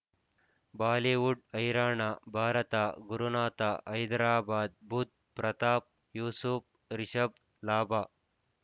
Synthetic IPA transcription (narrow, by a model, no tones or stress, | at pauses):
baːleːʋuɖɐjɾaːɳabʱaːɾɐt̪aɡuɾunaːt̪aʔɐjd̪ɾaːbaːd̪̚bʱut̪̚pɾɐt̪aːp̚ | juːsup | ɾiʃɐb̚ | laːbʱaː